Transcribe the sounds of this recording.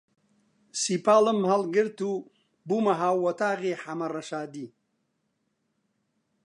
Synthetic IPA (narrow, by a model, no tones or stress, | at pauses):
sipaːləmhɐlɡəɾt̪u | bumɐɦaːwwɐt̪aːɣeħamɐɾɐʃaːd̪i